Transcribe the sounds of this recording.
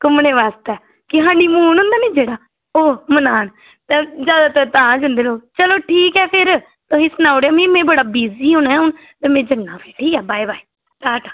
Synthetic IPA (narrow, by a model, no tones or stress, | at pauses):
kʊmneːʋaːst̪ɛː | kɪɦãːɖiːmuːnɦʊ̃nd̪aːnĩːd͡ʒeːɽaː | oːmənaːn | t̪ẽːd͡ʒjaːd̪aːt̪ɛːt̪ãːd͡ʒənd̪eːloːt͡ʃəloːʈʰiːkɛːpʰɪɾ | t̪ʊsĩːsənaːʊɽeaːmĩːmɛ̃ːbəɽaːbiːziːɦʊnɛːɦʊn | t̪eːmẽːd͡ʒənːãːpeʈʰiːkɛːbaːibaːiː | t̪aːʈaː